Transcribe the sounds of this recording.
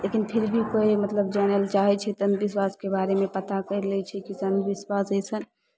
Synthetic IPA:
lekinpʰiɾbʱikoimət̪ləb̚d͡ʒɛnəlt͡ʃaɦɛt͡ʃʰɛt̪ənd̪biswaskebaɾemepət̪akəɪɾlɛt͡ʃʰɛkisənd̪biswasəjsən

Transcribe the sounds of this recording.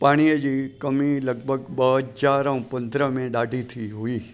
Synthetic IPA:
paɽ̃ijəd͡ʒikəmĩləɡ̚bʱəɡbəɦəd͡ʒaɾãũpənd̪ɾəmẽɖaɖʱit̪ʰiɦui

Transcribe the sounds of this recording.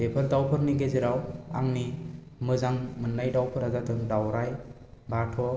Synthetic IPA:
bepʰɯɾdawpʰɯɾniɡezɯɾawa̰ŋni | mɯzaŋmɯnːajdawpʰɯɾazatʰɯŋdawɾaj | batʰɔ

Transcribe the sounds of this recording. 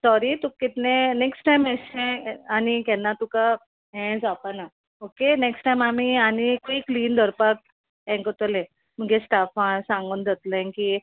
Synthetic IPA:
sɔɾit̪ukːit̪neneksʈajmɛɕɛ̃anikɛnːat̪uka | ɦɛ̃d͡zapana | okeneksʈajmamianikikliːnd̪ʱəɾpat̚ | ɛ̃ŋkət̪əlẽ | m̤əɡɛ̃sʈafaɳsãŋɡuːnd̪ət̪ləɛ̃nki

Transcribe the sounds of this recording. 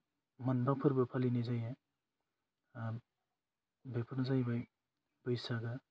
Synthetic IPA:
manbapʰɯɾbɐpʰalinijzaja | bapʰɯɾnzajbaj | bɯjsaɡɐ

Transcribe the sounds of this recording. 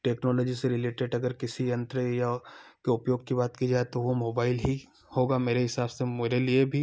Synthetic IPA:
ʈeːknɔːlɔːd͡ʒiseɾɪleːʈeːɖɐɡəɾkɪsijɐ̃nt̪ɾəjakeʊpjoːɡ̚kibaːt̪kid͡ʒaːet̪oʋomoːbaːɪlɦi | hoːɡameːɾeɦɪsaːbsemeːɾeliebʱi

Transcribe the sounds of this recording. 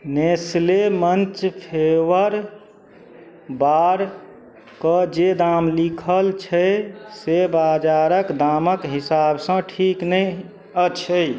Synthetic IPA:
neslemənt͡ʃpʰewəɾ | baɾ | kəd͡ʒed̪amlikʰəlt͡ʃʰəsebad͡ʒaɾəkd̪aməkɦisabsə̃ʈʰiknəj | ət͡ʃʰəj

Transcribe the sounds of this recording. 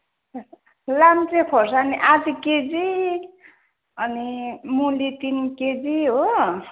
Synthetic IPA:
lamt͡sekʰorsaniʔad͡ziked͡zi | ʌnimulit̪inked͡ziɦo

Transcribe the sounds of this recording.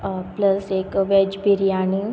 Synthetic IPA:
plɐseːkʋɛd͡ʒbʱiɾijaːni

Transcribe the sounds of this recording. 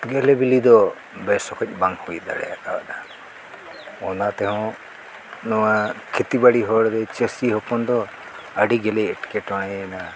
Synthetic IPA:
ɡɛlebilid̪ɔ | bɛsɔkʰɔc̚ˀbaŋhujd̪a̰ɽɛ̰jakaba̰ɗa | ɔnat̪ɛɦɔ̃ | nɔwakʰet̪ibaɽiɦɔɽd̪ɛt͡ʃəsiɦɔpɔnd̪ɔ | əɖiɡɛlɛɛʈkɛʈɔɽ̃ɛna

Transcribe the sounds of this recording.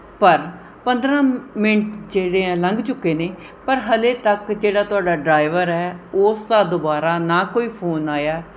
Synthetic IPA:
pəɾ | pənd̪ɾãːmɪnʈd͡ʒeːɽeːɛ̃ːləŋɡt͡ʃʊkːeːneː | pəɾɦəleːt̪əkd͡ʒeːɽaːt̪ʊaːɖaːɖɾaːɪʋəɾɛːoːsd̪ãːd̪obaːɾaːnãːkoːiːpʰoːnaːjaː

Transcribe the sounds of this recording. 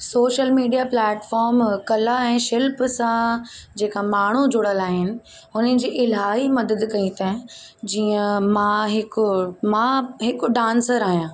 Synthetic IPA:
soːʃəlmiːɖijaplɛːʈfɔːɾmkɐlaɛ̃ːʃɪlpsãd͡ʑeːkamaːɳ̤ud͡ʑʱʊɽəlaːɦɪnɪ̆ | ʊnənɪ̆d͡ʑiːʔɪlaːɦimɐd̪əd̪kɐĩt̪ʰaːɪ̃ | d͡ʑiːə̃mãɦɪkmãɦɪkʊɖãːnsəɾaːɦijãː

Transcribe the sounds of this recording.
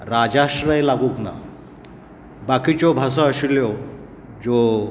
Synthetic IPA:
ɾad͡ʑaɕɾəjlaɡuːkna̰ | bakit͡ɕjɔbʱas̬ɔəɕuljɔ | d͡zo

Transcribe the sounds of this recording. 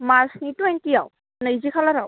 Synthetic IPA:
maɹsnitwejntijaw | naizikʰalaɾaw

